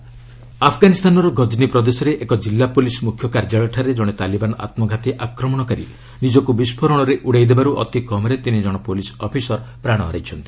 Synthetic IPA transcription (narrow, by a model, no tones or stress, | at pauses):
apʰɡanist̪ʰanɔɾɔɡʱɔd͡ʒnipɾɔd̪esɔɾeʔekɔd͡ʒilːapulismukʰjɔkaɾd͡ʒaɭɔʈʰaɾed͡ʒɔɽ̃et̪alibanɔʔa̰t̪mɔɡʱat̪iʔakɾɔmɔɽ̃ɔkaɾḭ | nid͡ʒɔkubispʰɔɾɔɽ̃ɔɾeʔuɽejd̪ebaɾuʔɔ̰t̪ikɔmɔɾet̪inid͡ʒɔɽ̃ɔpolisɔpʰisɔɾpɾaɽ̃ɔɦːɾajt͡ʃʰɔnt̪i̥